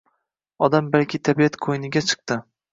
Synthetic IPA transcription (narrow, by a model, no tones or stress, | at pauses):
ɒd̪ambalkʲɪt̪ʰabijat̪kʰojnɪɡʲat͡ʃʰɨ̥q̚t̪ɪ